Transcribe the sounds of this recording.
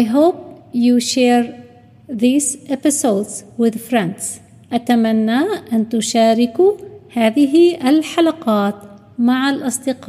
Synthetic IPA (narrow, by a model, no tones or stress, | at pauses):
ʔajɦoːp̚juʃeːɾ | ðiːzʔɪpɪsoːd̪zwɪðfɾãnt̪s | ʔat̪amanːaʔant̪ʊʃaːɾɪkuhaːðɪɦiʔɪlħalaqɑːt̪ | maʕalʔɑsˤd̪ɪqɑː